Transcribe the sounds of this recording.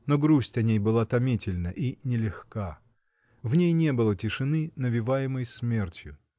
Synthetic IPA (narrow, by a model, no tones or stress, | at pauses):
noɡɾusʲtʲɐnʲejbɨlˠat̪ɐmʲitʲɪlʲnəʔinʲɪlʲɪxka | vnʲejnʲebɨlˠətʲɪʂɨnɨnəvʲɪvajɪməjsmʲe̞rtʲjʊ